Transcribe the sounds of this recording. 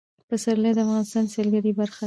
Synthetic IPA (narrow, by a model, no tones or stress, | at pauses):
pəsaɾlad̪əafɣɑnɪst̪ɑnselɡaɾibaɾxa